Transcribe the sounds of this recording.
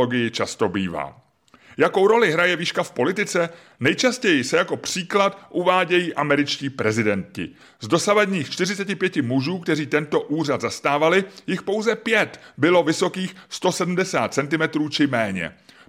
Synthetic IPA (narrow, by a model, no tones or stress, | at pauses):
oɡɪjɪt͡ʃast̪o̞biːva̰ː | jako̞wɾo̞lɪɦɾajɛviːʃkafpo̞lɪt̪ɪt͡sɛ | nɛjt͡ʃascɛjɪsɛjako̞pr̝̥iːklat̪ʔuvaːɟɛjiːʔamɛɾɪt͡ʃciːpɾɛzɪdɛncɪ̰ | zdo̞savadɲiːxt͡ʃt̪ɪrɪt͡sɛcɪpjɛcɪmuʒuːkt̪ɛriːt̪ɛnt̪o̞ʔuːr̝ad̪zast̪aːvalɪjɪxpo̞wzɛpjɛt̪bɪlo̞vɪso̞kiːxst̪o̞sɛdm̩dɛsaːt̪̚sɛnt̪ɪmɛt̪ɾuːt͡ʃɪmɛːɲɛ̰